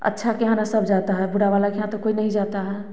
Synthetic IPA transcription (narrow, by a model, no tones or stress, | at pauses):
ə̰tːʃʰakeɦãnasəbd͡ʒat̪aɦɛbuɽaʋalakeɦãt̪okoinəɦĩd͡ʒat̪aɦɛ